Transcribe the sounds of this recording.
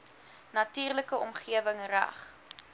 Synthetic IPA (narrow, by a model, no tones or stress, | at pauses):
nɐtiːrləkəɔmχiəvəŋræ̰χ